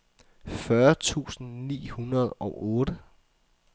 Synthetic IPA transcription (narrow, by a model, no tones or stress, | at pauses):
fɶɐt͡sʰṵːsn̩nḭːhunɐð̞ˠɒ̽ʊʔɔːɾ̥ə